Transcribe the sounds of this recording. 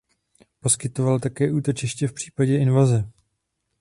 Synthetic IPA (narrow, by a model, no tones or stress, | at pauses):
po̞skɪt̪o̞valt̪akɛːʔuːt̪o̞t͡ʃɪʃcɛfpr̥i̥ːpaɟɛɪnvazɛ